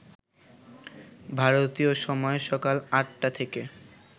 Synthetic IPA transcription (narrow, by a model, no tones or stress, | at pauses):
bʱaɾot̪ioʃɔmɔeʃɔkalaʈ̚ʈat̪ʰeke